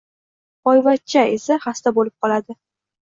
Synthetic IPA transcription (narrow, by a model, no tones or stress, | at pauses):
ɒjvat͡ʃʰaesaχast̪abolɪp̚qʰɒlad̪ɪ